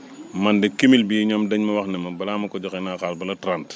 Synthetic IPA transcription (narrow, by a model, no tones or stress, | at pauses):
mɐndɛkimilbijiɲɔmdɐɲmɐwɐxnɛmɐbɐlaːmɐkɔɟɔkɛnaːxaːlbɐlɐtɾant